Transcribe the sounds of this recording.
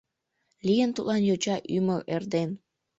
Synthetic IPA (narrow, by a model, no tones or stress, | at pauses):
lijənt̪utlɑnjot͡ɕɑʔyməʔerd̪en